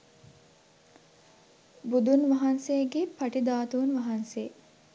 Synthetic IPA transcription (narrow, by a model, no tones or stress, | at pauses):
bud̪unʋɐɦansejəɡepɐʈid̪aːt̪uunʋɐɦanse